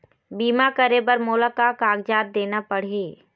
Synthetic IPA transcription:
biːmakəɾebəɾmoːlakakaːɡd͡ʒaːɾ̚d̪eːnapɐɽ̤eː

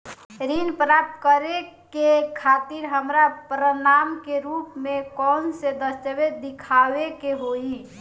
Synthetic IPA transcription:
ɾinpɾap̚t̪kəɾekekʰat̪iɾɦəmɾapɾənamkeɾupmẽkɔnsed̪əst̪əʋed̪ikʰawekeɦoi

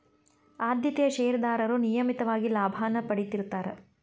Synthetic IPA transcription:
aːd̪jɐt̪ɛjɐʃɛjɾd̪aːɾɐɾunijɐmit̪ɐʋaːɡilaːbʱaːnɐpɐɽit̪iɾt̪ːaːɾe

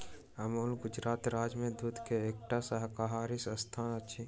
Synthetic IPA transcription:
əmoːlɡʊd͡ʒɾaːt̪ɾaːd͡ʒmẽd̪uːd̪ʱkeeːk̚ʈasəɦkaɦaːɾisə̃st̪ʰaːnət͡ʃʰi

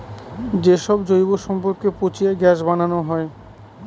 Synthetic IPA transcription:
d͡ʑeʃɔbd͡ʑojboʃɔmpoɾkepot͡ɕiaɡɛʃ̬bananoɦɔe

